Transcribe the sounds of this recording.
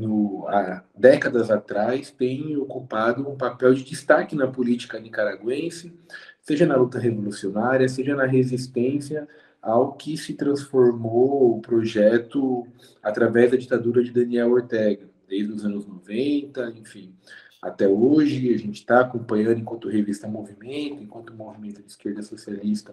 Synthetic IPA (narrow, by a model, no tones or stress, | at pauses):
nʊad̪ɛkɐd̪ɐzat̪ɾajst̪ẽj̃okupad̪ʊũpapɛwd͡ʒɪd͡ʒist̪akɪnɐpʊlit͡ʃi̥kɐnikaɾaɡwẽsɪseʒɐnɐlut̪ɐɦevolusionaɾiɐseʒɐnɐɦezist̪ẽsiɐ | awkɪsɪt̪ɾɐ̃sfoɾmoːpɾoʒɛt̪ʊ | at̪ɾavɛzd̪ɐd͡ʒit̪ad̪uɾɐd͡ʒɪd̪ɐ̃niɛwoɾt̪ɛɡɐd̪ejzɪd̪ʊzɐ̃nʊznovẽnt̪ɐẽfĩ | a̰t̪ɛoʒɪaʒẽt͡ʃɪ̥t̪aːkõpɐ̃ɲɐ̃nd̪ʊẽkwɐ̃nt̪ʊɦevist̪ɐmovimẽnt̪ʊẽkwɐ̃nt̪ʊmovimẽnt̪ʊd͡ʒɪiskeɾd̪ɐsosialist̪ɐ